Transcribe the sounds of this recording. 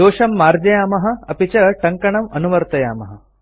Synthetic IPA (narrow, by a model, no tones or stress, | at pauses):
oːɕɐmːaːɾd͡ʑɐjaːmɐɦɐ̆ɐpit͡ɕɐʈɐŋkɐɳɐmɐnuʋɐɾt̪ɐja̰ːmɐɦɐ